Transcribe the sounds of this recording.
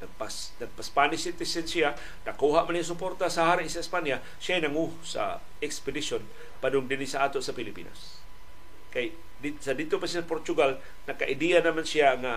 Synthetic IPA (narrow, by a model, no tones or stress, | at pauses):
naɡ̚pas | naɡ̚paspanɪsit̪ɪsɛnsia | nakuɦaʔmanijas̬ʊpoɾt̪asaɦaɾɪsaispanja | siajnaŋu | sa̰ | ɛkspɪdison | padʊŋdɪnisaʔaːt̪oʔsapilɪpḭna̰s | kaj | disadit̪opasijasapoɾt̪uɡal | nakaʔɪdianamansiaŋa